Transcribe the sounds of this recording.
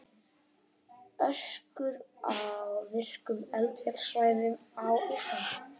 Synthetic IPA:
œskʏɾawvɪr̥kʏmɛlt̪vjɛsvajvʏmawʏst̪s

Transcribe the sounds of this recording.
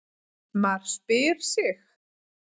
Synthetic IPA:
maɾ̥spɪɾ̥sɪx

